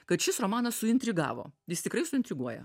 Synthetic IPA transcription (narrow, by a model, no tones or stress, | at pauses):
kɐt̪ʃʲɪsɾomɑːnɐssʊɪnʲt̪ʲɾʲɪɡɑ̰ːʋo̰ːjɪst̪ʲɪkɾɐɪsʊɪnʲt̪ʲɾʲɪɡuɔjɛ̰